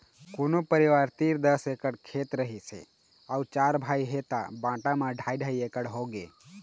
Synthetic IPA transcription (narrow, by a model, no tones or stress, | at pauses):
koːnopəɾiʋaːɾt̪iːɾd̪əsekəɽkʰeːt̪ɾəɦisḛ | aut͡ʃaːɾbʱaːiɦet̪a̰bãːʈamãɖʱaːiɖʱaːiekəɽɦoɡḛː